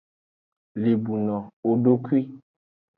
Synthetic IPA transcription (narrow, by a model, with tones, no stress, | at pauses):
le˨bu˨nɔ̃˨o˨ɖo˦kwi˦